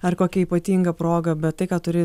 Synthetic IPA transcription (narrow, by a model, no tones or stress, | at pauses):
ɐrkoːkʲɛiːpɐt̪ʲiːŋɡɐpɾoːɡɐbʲɛt̪̚tɐɪkaːt̪ʊɾʲeː